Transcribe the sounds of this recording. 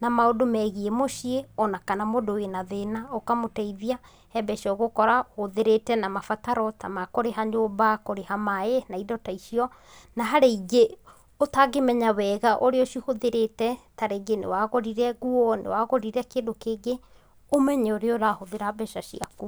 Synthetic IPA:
namaodomɛɣiemoʃieɔnakanamodowenaðenaokamotɛiðia | hɛbɛʃɔɣokɔɾahoðeɾetɛnamafataɾɔtamakoɾeɦaɲoːbakoɾehamaenaidɔtaiʃiɔ | naɦaɾeiɡe | otaɡemɛɲawɛɣaʔoɾeɔʃihoðeɾetɛtaɾeɡenḛwaɣoɾiɾɛɣuɔnḛwaɣoɾiɾɛkeːndokeːɡe | omɛɲɛoɾeoɾahoðeɾabɛʃaʃiaku

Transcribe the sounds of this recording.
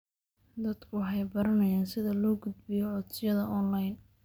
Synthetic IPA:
d̪ɐd̪̥kʰʊwħɑjbɐɾɐnɐjaːnsɪðɐlɔːɡʊd̪bɪjɔʕɔd̪sɪjɐðɐʔɔnlɐjn

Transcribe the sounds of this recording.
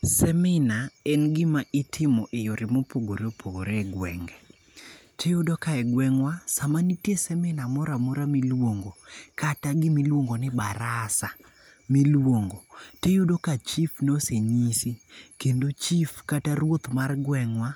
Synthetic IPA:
sɛmɪnaɛnɡɪmaʔɪtʰɪmɔʔejoɾɪmopoɡoɾopʰoɡoɾɛɡwɛ̰ŋɡɛ | tejodɔkaɛɡwɛŋwasamanitjesɛmɪnamɔɾamoɾamilwoŋɡokataɡɪmilwoŋɡonɪbaɾasa | milwoŋɡotejodokat͡ʃifnoseɲisikendot͡ʃifkataɾwot̪marɡwɛŋwa

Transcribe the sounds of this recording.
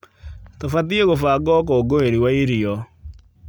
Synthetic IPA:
tofatieɣofaɡɔk̬oɡoeɾiwaiɾiɔ

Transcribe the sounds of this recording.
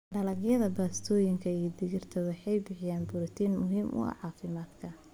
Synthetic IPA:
ɖɐlɐɡjɐðɐbaːst̪ʰɔːjɪŋkʰɐijɐd̪ɪɣɪrt̪ʰɐwɑħɑjbɪħɪjaːnbʊɾɪt̪ʰiːnmʊɦiːmʔʊ̰ɐ̰ʕɑːfɪmaːd̪kʰɐ

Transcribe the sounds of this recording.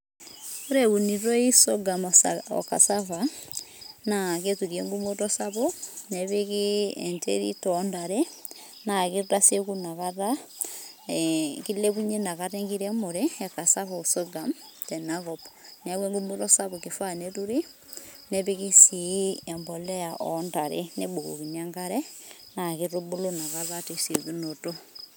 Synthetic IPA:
oɾeβuniɾoisoɡamɔɔ̰ka̰safa | naketuɾjeŋɡumoɾɔsaβoneβeɣiɛ̰ntḛɾḭtɔndaɾɛ | nakiɾasekunaɣaɾa | kileβuɲenaɣaɾɛŋɡiɾɛmoɾeɛkasahosoɡamtɛnaɣɔpnaweŋɡomuɾɔsaβokefaneɾuɾi | neβeɣisiɛmbɔlɛjaʔɔndaɾḛneboɣo̰ɣinaŋɡaɾɛnaɣiɾobulonaɣaðateseðunoto

